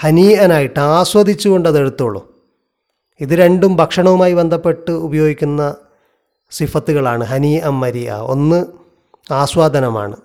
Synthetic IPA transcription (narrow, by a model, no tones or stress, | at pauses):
hɐniːɐnaːjiʈːɨaːɕwɐd̪ʱit͡ɕːuɣo̞ɳɖɐðe̞ɽut̪ːuɭːṵ | iðɨɾe̞ɳɖumbʱɐkʂɐɳɐʋumaːjibe̞nd̪ʱɐpːe̞ʈːɨubɐjo̞ːɡikʲːunːɐ | sifɐt̪ːuɣɐɭaːɳɨɦɐniːʔɐmːɐɾiɐ̰o̞̰nːɨ | aːɕwaːd̪ʱɐnɐma̰ːɳɨ